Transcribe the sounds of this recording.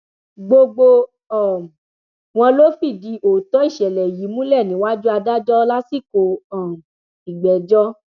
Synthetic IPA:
ɡ͡bo˧ɡ͡bo˧ | ɔ˨ | w̃ɔ̃˧lo˦fi˦˨di˧˦ʔo˨tɔ˨˦i˦˨ʃɛ˨lɛ˨ji˨˦mũ˦lɛ˦˨nĩ˨˦wa˦d͡ʒu˦a˧da˦d͡ʒɔ˦˧la˦si˦˨ko˧ɔ̃˨ | i˨ɡ͡bɛ˨d͡ʒɔ˦

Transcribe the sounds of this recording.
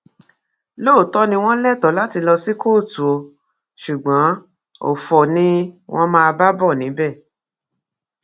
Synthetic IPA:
loː˦˨tɔ˦nĩ˧w̃ɔ̃˦lɛ˦˨tɔ˨˦la˦ti˧lɔ˧si˦ko˦˨tu˨o˨˧ | ʃu˨ɡ͡bɔ̃˨˦ | o̰˦˨fɔ˨nĩ˦w̃ʔɔ̃˦mãː˧ba˦bɔ˦˨nĩ˨˦bɛ˦˨

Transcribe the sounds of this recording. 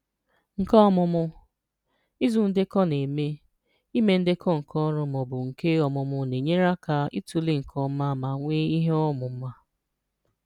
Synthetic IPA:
ŋ̩˨kɔ˦ɔ˦mʊ˨mʊ˦ | i˦zu˨n̩˦dɪ˦kɔ˦ne˨me˦ | i˦me˦n̩˦dɪ˦kʰɔ˦ŋ̩˨kʰɔ˦ɾʊ˦mɔ˨bʊ˨ŋ̩˨ke˦ɔ˨mʊ˨mʊ˨ne˨ɲe˦ɾa˦ka˨ḭ˦tu˨li˦ŋ̩˨kʰɔ˦m̩˦ma˦ma˨ŋʷe˦i˦ɦe˦ɔ˦mʊ˨m̩˦ma˦

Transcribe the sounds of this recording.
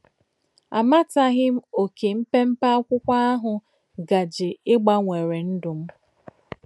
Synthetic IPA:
a̰˨ma˦ta˦ɣɪ˦m̩˦o˨ke˨m̩˦pe˦m̩˦pa˦kʷʊ˦kʷa˦a˦ɦʊ˨ | ɡa˨d͡ʒɪ˨ɪ˦ɡ͡ba˦ŋʷe˨ɾe˨n̩˦dʊ˨m̩˦

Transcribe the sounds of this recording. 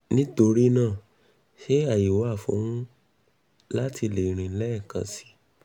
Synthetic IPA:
nĩ˦to˧ɾi˦nãː˦˨ | ʃe˦a˦˨ji˨wa˦˨fṵ̃˨˦hũ˦ | la˦ti˧le˨ɾ̃ĩ˨˦lɛ˦ɛ˦˨kã̰˧˨si̥˨˦

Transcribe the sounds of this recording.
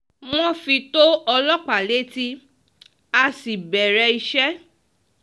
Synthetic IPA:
w̃ɔ̃˦fi˧to˦ɔ˧lɔ˦k͡pa˨le˨˦ti˦ | a˧si˨bɛ˨ɾɛ˧i˧ʃɛ˦

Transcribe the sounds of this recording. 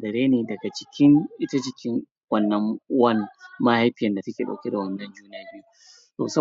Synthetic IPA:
dɐ˨ɾeː˦neː˨dɐ˨ɡa˨t͡ʃɪ̥˦˨kʲɪ˦ŋʔɪ˦ta˦d͡ʒɪ˨kʲɪ˦ŋ | wɐ˦˨nːɐ˦ŋ˦wɐ˦n˨ma˦ha˦jɸɪ˦jɐ˨nda˨sɐ˦kʲeː˨ɗa̰˨wkʲe˦da˨wɐ˨nːɐ˦nd͡ʒuː˦naː˦biː˦ | to̰ː˨sɐ˦

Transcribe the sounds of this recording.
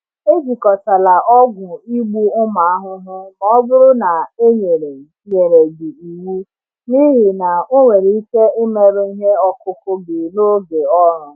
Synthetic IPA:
e˦d͡ʒi˨kɔ˨sa˨la˨ʔɔ˦ɡʷʊ˨i˦ɡ͡bu˦ʊ˦ma˨a˦ɦʊ˦ɦʊ˦kɔ˦ɔ˦bʊ˦ɾʊ˦na˨e˦ɲe˨ɾe˨ | ɲe˨ɾe˨di˨i˨wu˦ | ni˦ɦi˨na˨o˦ŋʷe˨ɾi˨˦i˦ke˦e˦me˨ɾʊ˦i˦ɦe˦ɔ˦kʊ˦kʊ˦bɪ˨no˦ɡe˨ɔ˦ɾʊ˨

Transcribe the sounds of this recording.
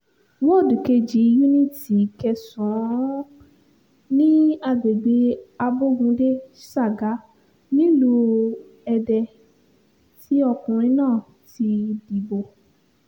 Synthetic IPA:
wo˦˨du˨ke˧d͡ʒi˨˦ju˦nĩ˦˨ti˨kɛ˧sɔ̃˨˦ | nĩ˦a˦˧˨ɡ͡be˨ɡ͡be˧a˧bo˦ɡũ˧de˦sa˦˨ɡa˨˦ | nĩ˦lu˧ | ɛ˧dɛ˧ | ti˨˦ɔ˦˧kũ˨ɾ̃ĩ˧˦nãː˦˨ | ti˧di˨bo˨

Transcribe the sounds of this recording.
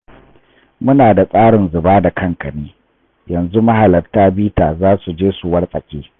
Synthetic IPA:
mʊ˦naː˨da˨sʼaː˦ɽɪ˨nzʊ˨baː˦da˨kʰɐ˦ŋkɐ˨neː˦ | jɐ˨nzu˦ma˦ɦa˨lɐ˨rtaː˦biː˦taː˨zaː˦su˨d͡ʒeː˦su˨wɐ˦rsʼɐ˨kʲʼeː˦

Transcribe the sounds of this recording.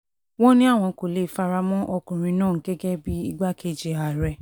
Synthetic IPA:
wɔ̃˦nĩ˦a˦˨w̃ɔ̃˧ko˨le˨˦˨fa˧ɾa˧mɔ̃˦ʔɔ˧kũ˨ɾ̃ĩ˧˦nãː˦˨ŋ̩˨˦ɡɛ˦ɡɛ˦bi˦i˦ɡ͡ba˦kʰe˦˨d͡ʒe˧a˨ɾɛ˧

